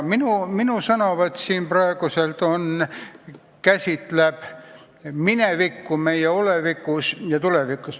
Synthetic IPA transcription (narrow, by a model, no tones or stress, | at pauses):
minuminusɑnoʋɑt̪siːnprɑeɡ̥use̞lt̪o̞n | kæsʲit̪leb̥ | minevikːume̞jeo̞le̞vikːˑusjɑt̪ulevikːˑus